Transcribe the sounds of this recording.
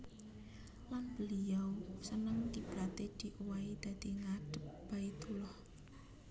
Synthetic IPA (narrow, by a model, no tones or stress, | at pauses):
lanb̥ə̤lijawsənəŋkib̥ɾat̪ed̪̥i̤ʔuwaid̪̥ä̤d̪̥iŋaɖ̥ə̤p̚b̥ait̪ulɔh